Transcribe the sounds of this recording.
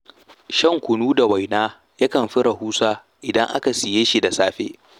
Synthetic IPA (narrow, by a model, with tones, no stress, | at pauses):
ʃɐ˦˨ŋkʷʊ˨nuː˦da˨wa˨jnaː˦ | ja˦kɐ˨mɸɪ˦ɽɐ˨huː˦saː˦ | ʔɪ˨dɐ˦ŋʔa̰˦ka˨sɪ˨jeː˦ʃi˦da˨saː˦ɸḛː˦